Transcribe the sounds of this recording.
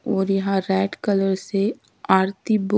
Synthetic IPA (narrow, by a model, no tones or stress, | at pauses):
ɔːɾjɐɦãɾɛːɖkələɾse | aːɾt̪ib